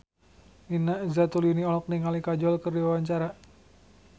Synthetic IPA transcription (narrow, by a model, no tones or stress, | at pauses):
ninazat̪uljuniɔlɔk̚niŋalikad͡ʒɔlkərdiwawaɲt͡ʃaɾa